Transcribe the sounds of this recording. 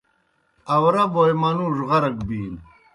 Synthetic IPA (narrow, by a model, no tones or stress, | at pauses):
ɐwɾabojmɐnuʐʁɐɾɐɡbiːn